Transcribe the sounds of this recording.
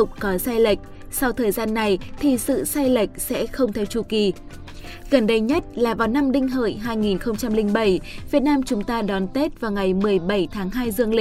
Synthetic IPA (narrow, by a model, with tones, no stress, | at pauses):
ʊ˨˩k͡p̚kɔ˨˦saː˧jlə˨˩jk̟̚ | sa˧wt̪ʰəː˨˩jzaː˧nːa˨˩jt̪ʰi˨˩sɨ̰˧˨saː˧jlə˨˩jk̟̚sɛ̰˧˥xə˧wŋ͡mt̪ʰɛ˧wt͡ɕu˧˩ki˨˩ | ɣə˨˧˩nɗə˧jɲə˦˥t̚laː˨˩vaː˨˩wna˧mɗï˧ŋ̟ɦə̰˧˨jɦaː˧jŋi˨˩nxə˧wŋ͡mt͡ɕa˧mlï˧ŋ̟ɓə˧˩jvi˨˩ət̚naː˧mt͡ɕʊ˨˦ŋ͡mt̪aː˧ɗɔ˨˦nt̪e˦˥t̚vaː˨˩wŋa˨˩jmɨ˨˩əjɓə˧˩jt̪ʰaː˨˦ŋɦaː˧jzɨ˧əŋli˧˨